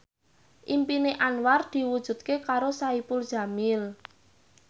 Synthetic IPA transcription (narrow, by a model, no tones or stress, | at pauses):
ʔimpineʔanward̪̥i̤wud̥ʒ̥ṳt̪̚kekaɾosaipʊld̥ʒ̥a̤mɪl